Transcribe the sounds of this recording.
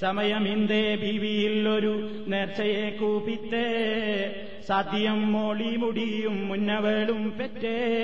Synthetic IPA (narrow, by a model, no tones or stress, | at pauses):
sɐmɐjɐmind̪ebʱiːʋijilːo̞ɾu | neːrt͡ɕɐjekːuːpit̪ːe | saːd̪ʱjɐmːoːɭimuɽijumːunːɐʋeːɭumpetːe